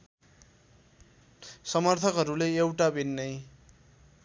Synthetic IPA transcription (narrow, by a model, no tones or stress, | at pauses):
sʌmʌrt̪ʰʌkɦʌɾuleewʈabʱinːʌj